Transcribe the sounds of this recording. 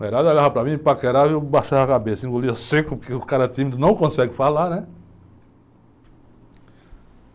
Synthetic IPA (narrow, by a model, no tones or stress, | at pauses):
eɾaðalaɦapɾamĩpakeɾaewbaʃaakabesĩɡoliasekʊpʊɾkeʊkaɾɐt̪imid̪ʊnɐ̃w̃kõsɛɡɪfalaɾnɛ